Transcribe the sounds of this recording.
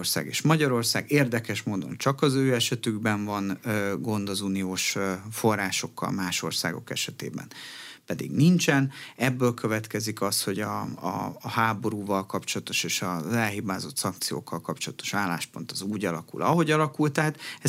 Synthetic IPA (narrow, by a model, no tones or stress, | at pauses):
rsa̰ːɡḛːʃmɒɟɒɾo̞rsaːɡeːrd̪ɛkɛʃmoːd̪o̞̰nt͡ʃɒkɒzøːɛʃɛt̪yɡbɛɱvɒnøɡo̞nd̪ɒzuːnijoːʃfo̞rːaːʃo̞kːɒ̰lmaːʃo̞̰rsa̰ːɡo̞̰kɛʃɛt̪ḛːbɛ̰npɛd̪ḭɡnint͡ʃɛnɛbːøːlkʰøvɛt̪kɛzikɒsho̞ɟɒ̰ː | haːbo̞ɾuːvɒlkɒpt͡ʃo̞lɒt̪o̞ʃeːʃɒzɛlɦibaːzo̞t̪sɒŋk̚t̪sijo̰ːkːɒlkɒpt͡ʃolɒt̪o̞̥ʃaːlːa̰ːʃpo̞nt̪ɒzuːɟɒlɒkṵlɒ̰ɦo̞ɟɒlɒkult̪ɛɦat̪ɛ